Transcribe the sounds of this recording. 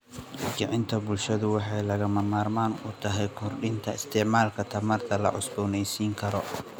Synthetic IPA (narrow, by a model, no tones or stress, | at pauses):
t͡ʃɪʕɪnt̪ʰɐbʊlʃɐðʊwɑħɑjlɐɣɐmɐmaːrmaːnʊt̪ʰɐɦɛjkʰɔrɖɪnt̪ʰɐɪst̪ʰɛʕmaːlkʰɐt̪ʰɐmɐrt̪ʰɐlɐ̰ʕʊsbɔːnɛjsiːŋkʰɐɾɔ